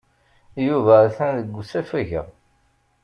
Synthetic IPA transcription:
juvæθænðəɡːusæfæʝə̰

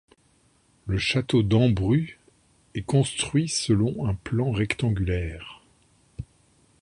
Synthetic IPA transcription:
ləʃat̪od̪ɑ̃bʁy | ɛkɔ̃st̪χɥisəlɔ̃ɛ̃plɑ̃ʁɛkt̪ɑ̃ɡʲylɛːʁ

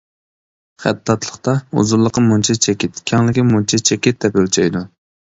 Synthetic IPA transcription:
χæ̰d̪ːɑt̪lˠəχt̪ɑṵzuɾlˠəqːəmunt͡ʃʰɛt͡ʃʰɛkʲɪt̪kʲʰɑŋlɪkʲimunt͡ʃʰɛt͡ʃʰɛkʲɪt̪̚d̪ɛpølt͡ʃʰɛjd̪u

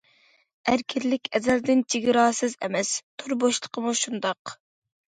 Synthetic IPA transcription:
æɾkʲʰɪɾlɪkʲʰɛzɛld̪ɪnt͡ʃʰiɡʲɾɑːsɨzɛ̰mɛst̪ʰoɾboʃlˠə̥qʰəmuʃund̪ɑq

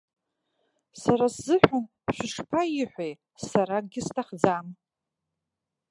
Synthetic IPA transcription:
saɾaszɨħʷᶣan | ʃʷɪʂpʰaiħʷej | saɾaɡʲɪstʰaχd͡zam

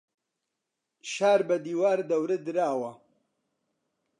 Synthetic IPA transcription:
ʃaːɾbɐd̪iːwaːɾd̪ɐwɾɨd̪ɨɾaːwɐ

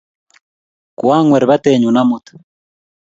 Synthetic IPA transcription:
kwaŋweɾeβateɲunamutḁ

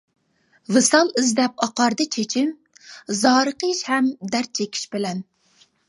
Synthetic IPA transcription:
vɨsɑlˠɪzd̪ɛp̚ɑqɑɾd̪ɨt͡ʃʰet͡ʃʰim | zɑːɾəqəʃhɛmd̪æɾt͡ʃʰekʲʰi̥ʃbɪlɛn

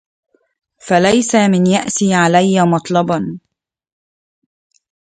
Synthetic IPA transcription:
falajsamɪnjaʔsiːʕalajːamɑt̪ˤlɑbɑn

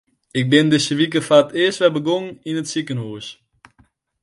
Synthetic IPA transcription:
ɪk̚bɪndɪsəʋikəfaətɪːəstʋɛlbəɡoŋninətsikənɦuːs

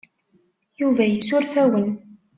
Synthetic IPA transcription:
juvæjəsːʊɾfæwən

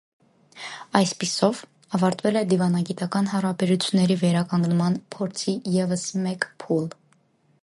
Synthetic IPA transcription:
ɑjspisɔv | ɑvɑɾt̪vɛlɛd̪ivɑnɑɡit̪ɑkɑnhɑɾɑbɛɾut͡sʰjunːɛɾivɛɾɑkɑŋɡnmɑnpʰɔɾt͡sʰijɛvəsmɛkpʰul

